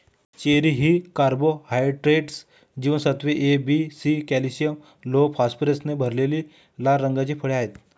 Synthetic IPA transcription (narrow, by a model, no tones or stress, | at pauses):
t͡ɕeɾiɦiːkaɾbohajʈɾeʈs | d͡ʑiːʋənsət̪ʰʋeʔebisikɛlisijəm | lopaspɾesnebʱəɾleliː | laɾːəŋɡat͡ɕiːpʰəɭeaɦet̪